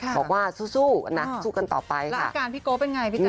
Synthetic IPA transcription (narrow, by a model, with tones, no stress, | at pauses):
kʰbbɔː˨˩k̚waː˥˩suː˥˩suː˥˩na˦˥suː˥˩ka˧nt̪ɔ̰ː˨˩pa˧jklʰa̰˥˩˧kaː˧˩npʰiː˦˥koː˦˥pe˧nŋa˧˩jʰi˦˧